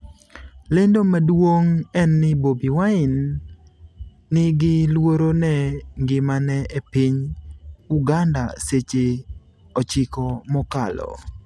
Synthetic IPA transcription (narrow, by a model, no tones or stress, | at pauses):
lendomadwoŋɛnːɪbobiwaɪn | ɪɡɪlwoɾonɛŋɡɪmanɛʔepiɲ | uɡanda̰set͡ʃe | ɔt͡ʃɪkɔmɔkalɔ̰